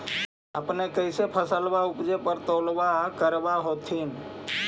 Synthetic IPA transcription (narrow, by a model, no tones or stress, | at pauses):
əpnekəɪsepʰəsəlbaupd͡ʒepəɾt̪əlbakəɾbaɦot̪ʰin